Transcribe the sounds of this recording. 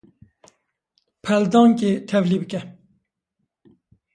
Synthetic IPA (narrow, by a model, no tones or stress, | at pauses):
pʰɛld̪ɑːŋket̪ʰɛvliːbɨkɛ